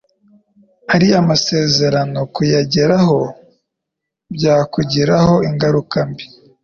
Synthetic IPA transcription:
haɾiamase̞ːze̞ɾano̞kujaɟeɾaho̞ | bjaːkuɟiɾaho̞iŋɡaɾukambi

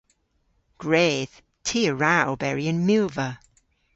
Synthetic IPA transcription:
ɡ̥ɹeːð̥ | tʰiəɹabɛɹiə̃nmjʉːvə

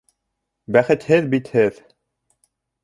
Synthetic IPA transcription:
bæχɘ̆t̪hɘðbit̪hɘð

